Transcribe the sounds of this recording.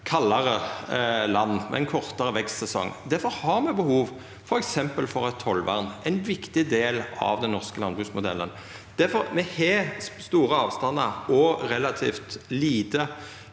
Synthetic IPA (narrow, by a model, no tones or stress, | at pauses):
kʰɑlːɑɾə | lɑnːmɛ̰ɛɪnkʰɔʁt̪əʁəʋɛkst̪sɛsɔ̰ŋːd̪æɾfɔɾhɑɾmɛbəhuːʋ | fɔɾɛksɛmpəlfɔʁɛt̪ʰːɔlʋæ̰ʁnɛɪnʋɪkt̪ɪd̪eːlɑ̰ʋd̪ɛnnɔʁskəlɑnbʁʉksmʊd̪ɛ̰lːə̰n | d̪̥æɾfɔɾmɛhɛst̪uːʁəɑːʋst̪ɑnːəɔɾɛlɑt̪ʰḭːft̪liːt̪ə